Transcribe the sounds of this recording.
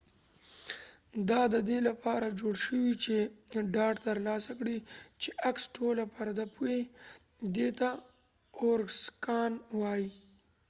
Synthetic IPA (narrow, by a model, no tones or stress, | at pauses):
d̪ɑd̪əd̪elapɑɾad͡ʒoɽʃəwit͡ʃeɖɑɖt̪əɾlɑsakɽit͡ʃeʔaksʈolapaɾd̪apʰue | d̪et̪a | oɾɡskɑnwɑji